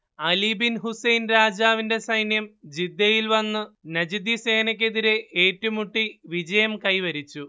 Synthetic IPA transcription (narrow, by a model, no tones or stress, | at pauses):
ɐlibinɦusɐjnɾaːd͡ʑaːʋinde̞sɐjnjɐmd͡ʑid̪ːɐjilʋɐnːɨnɐd͡ʑid̪ise̞ːnɐk̬ʲːe̞ðiɾeʔeːtːumuʈːiʋid͡ʑɐjɐmkɐjʋɐɾit͡ɕːu